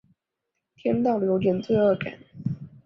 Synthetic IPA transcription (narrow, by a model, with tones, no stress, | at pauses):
t̪ʰjɛ˥nt̪ɑ˥˩ʊljo˧˥ʊt̪jɛ˨˩nt͡swe˥˧ɪɤ˥˩ka̰˨˩˦n